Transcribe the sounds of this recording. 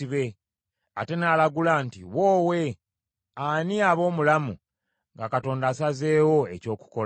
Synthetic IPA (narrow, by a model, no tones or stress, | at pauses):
iβe̞ | a̰te̞naːlaɡulaːntiwo̞ːwe̞ | aniaβo̞ːmulamu | ŋɡakato̞ːndaːsaze̞ːwo̞e̞co̞ːku̥ko